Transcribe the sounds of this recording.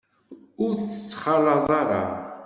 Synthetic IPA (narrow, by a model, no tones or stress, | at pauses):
ʊɾθə̥t͡sːχɑlɑðˤɑɾɑ̰